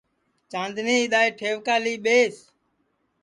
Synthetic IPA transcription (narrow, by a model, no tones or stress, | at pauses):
t͡ʃãːnd̪nĩːɪɗ̪aːeːʈʰeːʋkaːliːɓeːs